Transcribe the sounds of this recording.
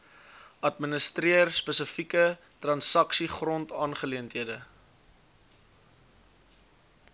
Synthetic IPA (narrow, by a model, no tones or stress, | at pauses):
ɐtmənəstriərspəsəfikə | trɐnsɐksiχrɔntɑːnχəliəntɦiədə